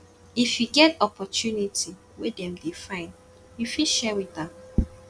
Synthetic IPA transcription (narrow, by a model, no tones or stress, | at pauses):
ifjiɡɛtɔpʰɔtʰjunitʰi | wedɛ̃mdefãɪ̃n | jifiʃɛwitãm